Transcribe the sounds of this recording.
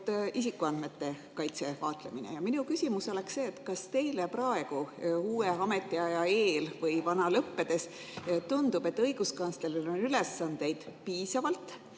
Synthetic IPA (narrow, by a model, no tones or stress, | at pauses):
t̪isikːˑuɑnd̪me̞t̪ːe̞ | kɑjt̪se̞vɑːt̪ˑle̞̰minḛjɑminukysʲimuso̞leksse̞ːt̪ːˑkɑst̪e̞jlepɾɑe̞ɡ̥uuːeɑme̞t̪ːˑiɑjɑe̞ːlvɤjvɑnɑlɤpːe̞d̪̥e̞s | t̪und̪ub̥e̞t̪ːɤjɡ̥uskɑnslelilo̞nylesːɑnd̪̥e̞jd̪̥piːsɑvɑlt̪ˑ